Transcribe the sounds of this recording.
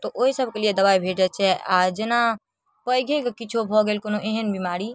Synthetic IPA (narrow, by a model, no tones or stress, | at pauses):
t̪ɔʔoɦisəb̚ʱkelied̪əbaːibʱeːʈɛt͡ʃʰɛʔad͡ʒena | pəɡʱekkɪt͡ʃʰobʱɔɡeːlkonoʔeɦənbimaːɾi